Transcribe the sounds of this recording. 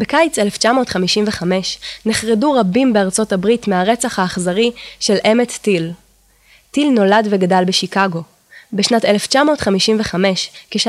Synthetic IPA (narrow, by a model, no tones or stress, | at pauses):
bekajt͡seleft͡ʃamo̞ːtχamiʃimveχame̞ʃneχʁeduʁabimbeaʁt͡so̞tabʁitmeaʁet͡saχhaːχzaʁiʃe̞lʔemet͡stil | tilno̞ladveɡadalbeʃikaɡo̞ | beʃnateleft͡ʃamo̞ːtχamiʃimveχame̞ʃkeʃ